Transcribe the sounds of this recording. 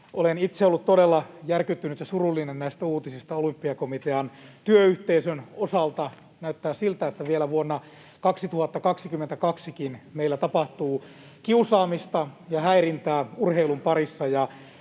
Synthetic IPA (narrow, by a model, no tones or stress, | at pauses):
ʔolenit̪seolːut̪t̪odelːɑjærkyt̪ːynyt̪jɑsurulːinennæist̪æuːt̪isist̪ɑolympːiɑkomit̪eɑnt̪yøyht̪eisønosɑlt̪ɑ | næyt̪ːæːsilt̪æet̪ːæʋielæʋuonːɑ | kɑksit̪uhɑt̪ːɑkɑksikymːent̪ækɑksikinmeilːæt̪ɑpɑht̪uː | kiusɑːmist̪ɑjɑhæirint̪æːurheilumpɑrisːɑjɑ